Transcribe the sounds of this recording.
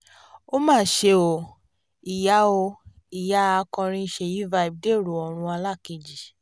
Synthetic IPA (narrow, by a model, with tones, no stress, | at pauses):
o˦mãː˦˨ʃe˧o˨ | i˨ja˨˦o˧ | i˨ja˦˧kɔ̃˧ɾ̃ĩ˧ʃe˧˨ji˦va˧i˧˨b̚de˦˨ɾu˨ɔ˨ɾ̃ũ˧a˧la˦˨ki˧d͡ʒi˨